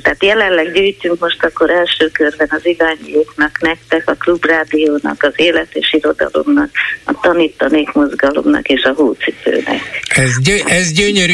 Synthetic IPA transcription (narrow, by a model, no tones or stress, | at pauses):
t̪ɛaːt̪jɛlɛnlɛɡɟyːjt̪yŋkmo̞ʃt̪ɒkːo̞ɾɛlʃøːkø̞rbɛnɒzidaːɲijoːknɒknɛkt̪ɛkɒklubraːd̪ioːnɒ̰kɒzeːlɛt̪eːʃiɾo̞d̪ɒ̰lo̞̰mnɒkɒt̪ɒniːt̪ːɒneːkmo̞zɡɒlo̞̰mnɒ̰keːʃɒɦuːt̪sifø̰ːnɛ̰kɛzøɛzɟøɲøɾy